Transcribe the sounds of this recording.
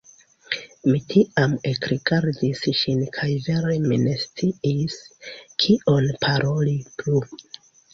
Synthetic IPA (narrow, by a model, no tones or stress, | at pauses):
mitʰiʔamekɾiɡaɾdisʃinkʰajve̞ɾemine̞st͡siiskʰio̞npʰaɾʔo̞liplu